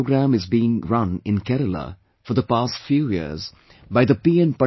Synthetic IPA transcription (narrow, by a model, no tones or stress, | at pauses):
ɡɾæ̃mɪzbiːɪ̃ŋɾʌ̃nɪ̃nkɛɾələ̰ | fɔɾd̪əpaːstfjuːjḭəɾz | baɪd̪əpiɛ̃npʌ